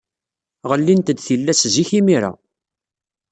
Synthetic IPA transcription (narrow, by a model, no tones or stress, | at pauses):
ʁəlːint̪əd̪θilːæsziçimiɾa̰